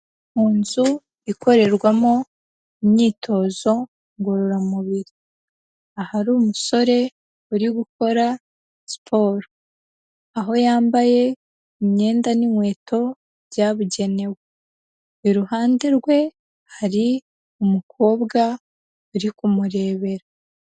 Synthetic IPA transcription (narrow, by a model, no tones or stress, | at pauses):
muːnzu | iko̞ɾe̞ɾɡwamo | imɲiːtʰo̞ːzo̞ | ŋɡoɾoɾamuβiɾi | ahaɾuːmuso̞ɾe̞ | uɾiɡuko̞ɾa | spʰo̞ːɾo | aɦo̞jaːmbaje̞ | imɲe̞ːndanimwe̞ːtʰo̞ | jaβuɟe̞ne̞we | iɾuhaːnde̞ɾɡwe̞ | haɾi | umukʰo̞ːbɡa | uɾikumuɾe̞ːβe̞ɾa